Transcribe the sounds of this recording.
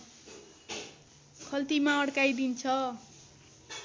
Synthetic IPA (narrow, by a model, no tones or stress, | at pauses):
kʰʌlt̪imaʌɽkajd̪int͡sʰʌ